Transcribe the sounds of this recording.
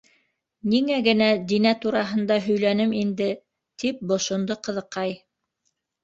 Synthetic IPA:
niŋæɡɘ̆næd̪inæt̪uɾɑɦɤ̆nd̪ɑɦɵ̆jlænɘmind̪ɘ | t̪ip̚bŏʃŏnd̪oqɤ̆ðɤ̆qːɑj

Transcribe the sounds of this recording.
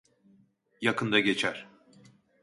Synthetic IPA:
jakʰɯnd̪aɟe̞t͡ʃʰæɾ̥

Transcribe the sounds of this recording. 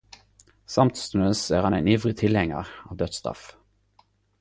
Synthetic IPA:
sɑmt̪søsæːʁhɑnæɪniːʋʁɪt̪ʰɪlhɛŋə̰ʁɑːʋd̪œt̪st̪ʁɑ̰f

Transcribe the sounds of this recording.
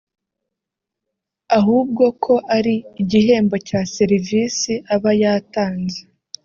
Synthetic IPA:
aɦuːb̚ɡo̞kʰo̞ʔaɾiːɟiɦe̞ːmbo̞caːseɾiviːsiʔaβajataːnze

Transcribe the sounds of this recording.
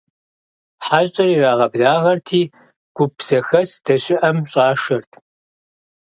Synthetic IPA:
ħaːɕʼɐriːraːʁɐbɮaːʁɐrtʰiː | ɡ̥ʷʊpz̥ɐxɐsd̥ɐɕʼɪʔɐmɕʼɑːʂɐrtʰ

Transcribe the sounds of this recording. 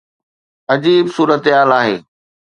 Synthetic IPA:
ɐd͡ʑiːbsuːɾət̪ɦaːlaːɦeː

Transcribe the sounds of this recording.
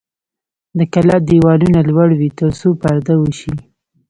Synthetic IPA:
d̪əkalɑd̪iwɑlunalwaɽwit̪əɾsopaɾd̪awəʃi

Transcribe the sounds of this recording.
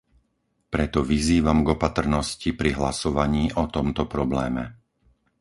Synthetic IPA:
pɾɛt̪ɔʋiziːʋamɡɔpat̪r̩nɔscipɾiɦlasɔʋaɲiːʔɔt̪ɔmt̪ɔpɾɔblɛːmɛ̰

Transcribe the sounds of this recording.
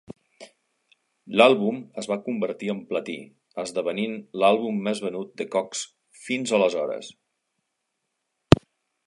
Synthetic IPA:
lalˠβuməzβakumbəɾt̪iəmplət̪ḭ | əzðəβəninlalˠβumːɛzβənut̪̚d̪əkɔks | finzələzɔɾə̰s

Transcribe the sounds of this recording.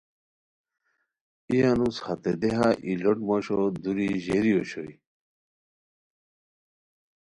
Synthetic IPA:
ijanushɐt̪ed̪eɦaʔiloʈmoɕod̪uɾiʑeɾijoɕoi

